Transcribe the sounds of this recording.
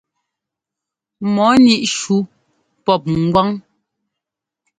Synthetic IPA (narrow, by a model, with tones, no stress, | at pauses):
mɔ˨˦ni˦ʔʃu˨˦ | pɔ˦˨p̚ŋ˨ɡwa˦ŋ